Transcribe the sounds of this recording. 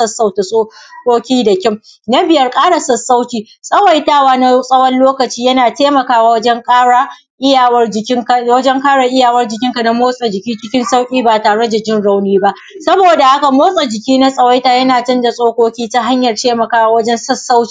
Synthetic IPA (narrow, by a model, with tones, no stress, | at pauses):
ɐ˦sːa˨wta˨sʼoː˦kʷoː˦kʲiː˦dɐ˨kʲɪ˦m | na˦bɪ˨jɐ˦rkʼaː˦ɽa˨sɐ˨sːa˦wkʲiː˨ | sʼɐ˦wɐ˦˨jtaː˦waː˦na˦sʼɐ˦wɐ˦nloː˦kɐ˨t͡ʃiː˦jɐ˦naː˨teː˦mɐ˨kaː˦waː˨wɐ˦d͡ʒɛ˦ŋkʼaː˦ɽa˨ | ʔɪ˦ja˨wɐ˦d͡ʒɪ˨kʲɪ˦ŋka˨wɐ˦d͡ʒɛ˦ŋkaː˦ɽa˨ʔɪ˦jaː˨wɐ˦rd͡ʒɪ˨kʲɪ˦ŋka˨na˦moː˦sʼɐ˨d͡ʒɪ˨kʲiː˦t͡ʃɪ˦kʲɪ˦nsa˦wkʲʼiː˦baː˨taː˨ɽɐ˦da˨d͡ʒɪ˦nɽa˦wniː˦ba˦ʔ | sɐ˦boː˨da˨ha˦ka˨moː˦sʼɐ˨d͡ʒɪ˨kʲiː˦na˦sʼɐ˨wa˦jtaː˨jɐ˦naː˨t͡ʃɐ˦nda˨sʼoː˦kʷoː˦kʲiː˦ta˦ɦa˦ɲjɐ˨rteː˦mɐ˨kaː˦wa˦wɐ˦d͡ʒɛ˦nsɐ˦sːa˦wkʲi˦